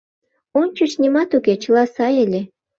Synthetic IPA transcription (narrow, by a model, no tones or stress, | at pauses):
onʲt͡ɕəʃnʲimɑt̪uket͡ɕəlɑsɑjelʲe